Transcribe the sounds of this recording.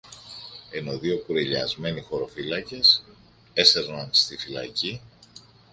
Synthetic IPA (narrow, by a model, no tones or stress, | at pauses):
e̞no̞ðio̞kuɾeʎɐ̰zme̞nixo̞ɾo̞filɐce̞s | e̞se̞ɾnɐnst̪ifilɐ̰ci